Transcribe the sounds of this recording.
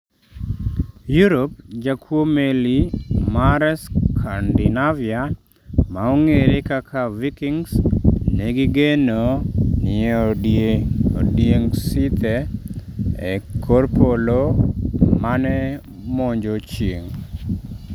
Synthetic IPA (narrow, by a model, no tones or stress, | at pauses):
juɾopd͡ʒakʰwomelimaɾɛskʰandɪnavia | maoŋeɾekakʰavikiŋsneɡɪɡenonɪeo | odjeŋsit̪e | ḛkʰoɾpolo | manɛ | moɲd͡ʒot͡ʃjeŋ